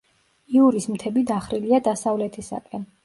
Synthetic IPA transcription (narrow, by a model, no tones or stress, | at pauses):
iuɾismt̪ʰɛbid̪aχɾiliad̪asavlɛt̪ʰisa̰kʼɛn